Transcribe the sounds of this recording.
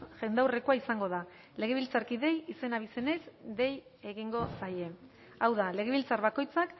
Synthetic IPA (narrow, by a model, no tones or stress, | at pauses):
ʝe̞nd̪awre̞ko̞aisaŋɡo̞ða | le̞ɣ̞e̞β̞ilt͡saɾkiðe̞jise̞naβise̞ne̞zd̪e̞je̞ɣiŋɡo̞saje̞ | awðale̞ɣe̞βilt͡saɾβako̞jt͡sak